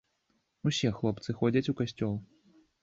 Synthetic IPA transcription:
usʲɛxlˠɔpt̪sɨxɔd͡zʲɐt͡sʲukasʲt͡sʲɔlˠ

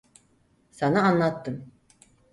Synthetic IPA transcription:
sanaanlˠat̪ːɯm

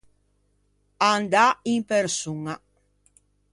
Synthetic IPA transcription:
and̪aiŋpeɾsuŋa

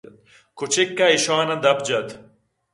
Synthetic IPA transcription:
t̪̚ | kʰut͡ʃekːɐiʃaːnɐd̪ɐb̚d͡ʑɐt̪

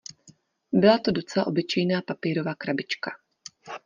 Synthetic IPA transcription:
bɪlat̪odo̞t͡sɛlaʔo̞bɪt͡ʃɛjnaːpapiːɾo̞vaːkɾabɪt͡ʃka

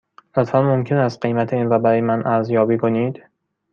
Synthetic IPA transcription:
lot̪fænmo̞mcʰe̞næst̪̚ɢe̞jmæt̪ʰeiːnɾɒːbæɾɒːjemænʔæɾzjɒːbiːkʰo̞niːd̪̥

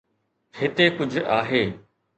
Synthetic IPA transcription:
hɪt̪ekʊd͡ʑʱʊʔaːɦeː

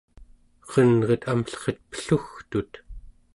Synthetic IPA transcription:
qʌnʁʌt̪amɬχet̪̚pə̥ɬuxt̪ut̪

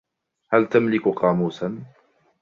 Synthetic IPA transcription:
halt̪amlɪkʊqɑːmuːsan

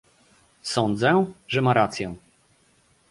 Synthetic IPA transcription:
sɔnd̪zɛʐɛmaɾat̪sʲjɛ̃

